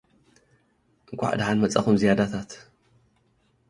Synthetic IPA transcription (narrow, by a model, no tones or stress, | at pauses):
ʔɨŋkʷʼa̰ħd̪ħanmɐt͡sʼɐxumzijad̪at̪ʰat̪